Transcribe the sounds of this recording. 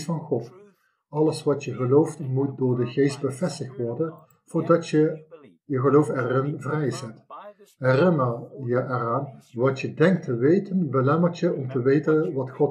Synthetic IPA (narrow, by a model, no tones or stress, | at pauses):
fɑnχɔt | ɑləsʋɑtjəɣəlowftmut̚dʊːɹdəɣeːst̚bəvɛstɪxtʋɔrdən | v̥oːɹdɑə | jəɣəlowfɛrɪnvrɛjzɛt | ɦɛrɪnərjəʔɛraːnʋɑtjədɛŋk̚tʰəʋejtənbəlɛmərtjəɔmtəʋejtənʋɑtxɔt